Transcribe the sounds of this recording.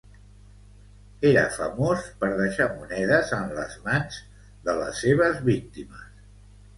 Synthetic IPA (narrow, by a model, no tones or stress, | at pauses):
eɾə̰fəmospəɾðəʃamunɛðəzənləzmanz | ðələ̰sːeβ̞əzβik̚t̪iməs